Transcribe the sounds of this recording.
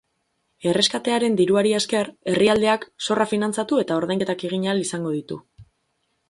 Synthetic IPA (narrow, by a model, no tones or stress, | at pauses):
e̞re̞skat̪e̞aɾe̞nd̪iɾuaɾieske̞re̞riald̪e̞akso̞rafinant͡sat̪ue̞t̪ao̞ɾðajŋke̞t̪akiɣiɲalisaŋɡo̞ð̞it̪ṵ